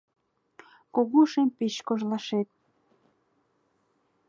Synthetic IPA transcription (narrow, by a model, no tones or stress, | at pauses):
koɣuʃempeʃkoʒlɑʃet̪̚